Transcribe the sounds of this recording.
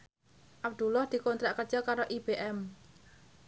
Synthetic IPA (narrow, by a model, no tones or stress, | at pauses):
ʔab̚d̪̥ulɔhd̪̥i̤kont̪ɾaʔkərd̥ʒ̥ɔkaɾoʔib̥eʔɛm